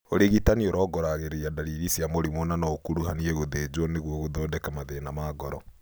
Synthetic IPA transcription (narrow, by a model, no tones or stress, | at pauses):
oɾeɣitanioɾɔːɡɔɾaɣeɾeiadaɾiɣisijamoɾimonanɔokuɾuhaniɛɣoðed͡ʒwɔneɣwɔɣoðɔdɛkamaðenamaːɡɔɾɔ